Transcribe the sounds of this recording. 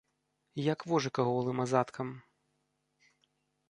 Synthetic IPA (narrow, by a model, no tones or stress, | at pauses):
jɐkvɔʐɨkɐɣɔlˠɨmɐzat̪kʰɐm